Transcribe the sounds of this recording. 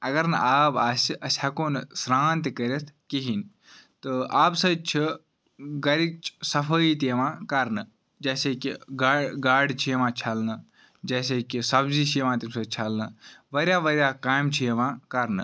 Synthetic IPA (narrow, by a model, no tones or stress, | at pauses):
ɐɡɐɾnɨʔaːbaːsiɐsʲɐkoːnɨsɾaːnt̪ikəɾʲet̪ʰkiɦin | t̪ɨaːbsɐt͡ʃʰi | ɡɐɾit͡ʃʰsɐfʰəit̪eʋãːkɐɾnɨ | d͡ʒɐːseːkḭɡaɡaːɖt͡ʃʰieʋãːt͡ʃʰɐlnɨ | d͡ʒɐːs̬eːkisɐbzit͡ʃʰiʋãːt̪imsɐt͡ʃʰɐlnɨʋɐɾʲjaːʋɐɾʲjaːkaːjmt͡ʃʰijeʋãːkɐɾnɨ